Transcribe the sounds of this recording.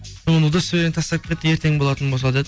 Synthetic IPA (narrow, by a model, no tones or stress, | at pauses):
mənud̪əsɪbeent̪ʰɑsɑp̚kʲet̪ːəjeɾt̪ʰe̞ŋbolˠɑt̪ənbosˠɑd̪e